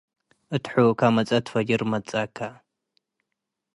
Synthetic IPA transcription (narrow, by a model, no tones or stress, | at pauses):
ɨt̪ħukʰamɐt͡sʼɐt̪fɐd͡ʒɪɾmɐt͡sʼakʰa